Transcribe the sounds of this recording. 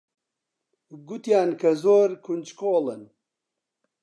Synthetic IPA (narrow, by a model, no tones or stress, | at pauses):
ɡut̪jaːnkɐzoːɾkʰund͡ʒkoːlən